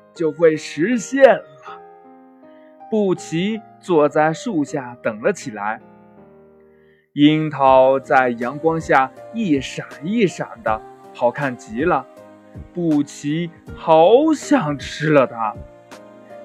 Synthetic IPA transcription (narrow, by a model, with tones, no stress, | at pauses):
t͡ɕjo˥˧ʊxwe˥˩ɪʂɻ̩˧˥ɕjɛ˥˩nlə˩ | pu˥˩t͡ɕʰi˧˥t͡swɔ˥˧t͡sa˥˧ɪʂu˥˧ɕja˥˩t̪ɤ˨˩ŋlə˦t͡ɕʰi˨˩la˧˥ɪ | i˥nt̪ʰɑ˧˥ʊt͡sa˥˩ɪjɑ˧˥ŋkwɑ˥ŋɕja˥˧˩i˥˩ʂa˨˩ni˥˩ʂa˨˩nd̪ə˦xʰɑ˨˩ʊkʰa˥˩nt͡ɕi˧˥lə˧ | pu˥˩t͡ɕʰi˧˥xɑ˧˥ʊɕjɑ˨˩ŋʈ͡ʂʰɻ̩˥lə˧t̪ʰa˥